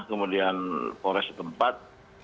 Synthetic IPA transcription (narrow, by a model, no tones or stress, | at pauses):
kəmudianpoɾɛsə̥t̪əmpat̪̚